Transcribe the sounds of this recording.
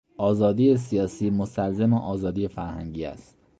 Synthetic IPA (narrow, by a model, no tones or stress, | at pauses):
ɒːzɒːd̪iːjes̬ijɒːsiːmost̪ælzemeʔɒːzɒːd̪iːje̞fæɾhæ̰ŋɟiːæ̰st̪